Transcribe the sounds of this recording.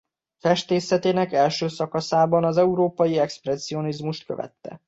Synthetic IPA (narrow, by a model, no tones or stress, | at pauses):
fɛʃt̪eːsɛt̪eːnɛkɛlʃøːsɒkɒsaːbɒnɒzɛuɾoːpɒjiɛksprɛsio̞nizmuʃt̪̚kø̰vɛ̰t̪ːɛ̰